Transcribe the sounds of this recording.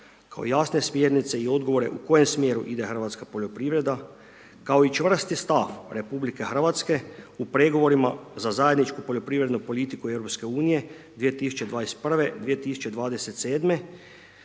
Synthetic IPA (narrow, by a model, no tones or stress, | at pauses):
ka̰o̰jasne̞smjeɾnit̪se̞io̞d̪ɡo̞ʋo̞ɾe̞̰ʔuko̞jemsmje̞ːɾṵʔid̪exr̩ʋat̪skapo̞ʎo̞pɾiʋɾe̞d̪a | kao̞it͡ʃʋr̩st̪ist̪afɾe̞publike̞xr̩ʋat̪ske̞upɾeɡo̞ʋo̞ɾimazazajed̪nit͡ʃkupo̞ʎo̞pɾiːʋɾe̞d̪nupo̞lit̪ikuewɾo̞pske̞uːnije̞ | d̪ʋijet̪isu̥t͡ʃe̞d̪ʋaːnest̪pr̩ʋe̞d̪ʋijet̪isu̥t͡ʃe̞d̪ʋaːd̪e̞set̪seːd̪me̞